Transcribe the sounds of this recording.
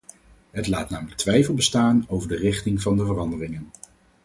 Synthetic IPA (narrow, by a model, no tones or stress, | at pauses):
ɦətlaːtnaːmələk̚tʋɛjfəlˠbəstaːnowvəɹdərɪχtɪŋvɑndəvərɑndərɪŋən